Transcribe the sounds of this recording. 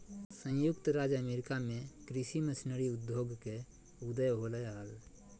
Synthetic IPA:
sə̃jukt̪ɾad͡ʒəmeɾikamekɾisiməsinəɾiud̪joɡke | ud̪əjɦoləjaɦəl

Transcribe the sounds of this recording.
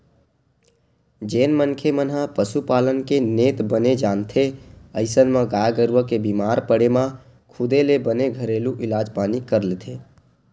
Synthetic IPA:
d͡ʒeːnmənkʰemənɦãpəsupaːlənkeneːt̪bəned͡ʒaːnt̪ʰeəɪsənmãɡaːjɡəɾʋəkebimaːɾpəɽemã | kʰʊd̪elebəneɡʱəɾeːluʔɪlaːd͡ʒpaːnikəɾlet̪ʰeː

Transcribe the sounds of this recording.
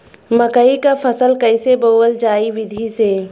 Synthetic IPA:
məkəikapʰəsəlkəɪseboːwəld͡ʒaːiʋɪd̪ʱise

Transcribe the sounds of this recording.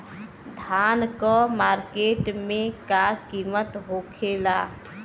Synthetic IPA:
d̪ʱaːnkɔmaːɾkeːʈmẽkakiːmət̪ɦoːkʰeːlaː

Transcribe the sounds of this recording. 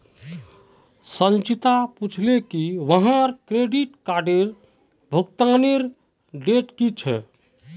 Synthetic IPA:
sənt͡ʃit̪aput͡ʃʰlekiʋəɦãɾkɾeɖiʈkaɾɖeɾ | bʱuk̚t̪əneɾ | ɖeʈkit͡ʃʰɛ̰

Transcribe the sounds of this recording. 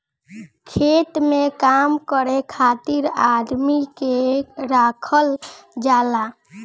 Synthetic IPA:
kʰet̪mekamkəɾekʰat̪iɾad̪mikeɾakʰəld͡ʒala

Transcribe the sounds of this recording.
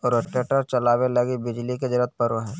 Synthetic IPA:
ɔːɾeʈeʈəɾt͡ʃɐlaːwelɐɡibɪd͡ʒliked͡ʒəɾət̪̚pəɾʋəɦɛː

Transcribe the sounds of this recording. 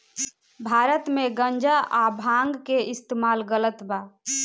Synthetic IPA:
bʱaɾət̪meɡənd͡ʒaʔabʱãŋɡkeist̪imalɡələt̪ba

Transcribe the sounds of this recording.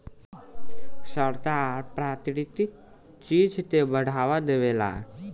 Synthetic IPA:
səɾt̪aːɾpɾaːt̪inɪt̪i | t͡ʃiːd͡ʒt̪ebəɽ̤ʱaːʋad̪eʋeːla̰ɛ̰

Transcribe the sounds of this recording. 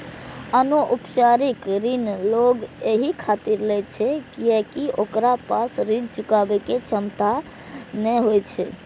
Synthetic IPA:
ənoʔupt͡ʃaɾikɾinloɡeɦikʰat̪iɾlɛt͡ʃʰɛkiɛkiʔokɾapasɾid͡ʒt͡ʃukabɛket͡ʃʰəmt̪a | nɛɦojt͡ʃʰɛ̰

